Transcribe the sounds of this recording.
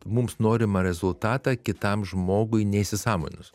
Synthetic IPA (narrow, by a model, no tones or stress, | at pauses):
mʊmsnoːɾʲɪmɐɾʲɛzʊlˠt̪ɑːt̪ɑkʲɪt̪ɐmʒmoːɡʊɪnʲɛisʲɪsɑːmo̰ːnʲʊs